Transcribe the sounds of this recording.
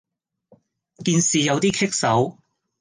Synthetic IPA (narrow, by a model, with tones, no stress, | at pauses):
kiː˧nsiː˨jɐ˨˧wt̪iː˥kʰɪ˥k̚sɐ˨˥w